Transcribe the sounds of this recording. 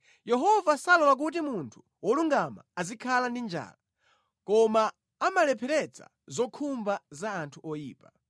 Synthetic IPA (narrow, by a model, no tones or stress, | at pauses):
jɛɦɔvasalɔlak̬ut̬imuntʰu̥ | wɔluŋɡama̰azikʰalandind͡ʒa̰ːla | kɔmaː | malɛpʰɛɾɛt͡sʰa̰ | zɔkʰumbazaːntʰuʔɔjḭːpa